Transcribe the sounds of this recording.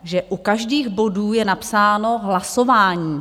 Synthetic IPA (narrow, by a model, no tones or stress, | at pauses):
ʒɛʔukaʒdiːɣbo̞duːjɛnapsaːno̞ɦlasovaːɲiː